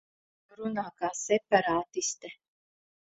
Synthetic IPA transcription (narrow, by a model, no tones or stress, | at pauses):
ɾunaːkaːsɛpaɾaːt̪ist̪ɛ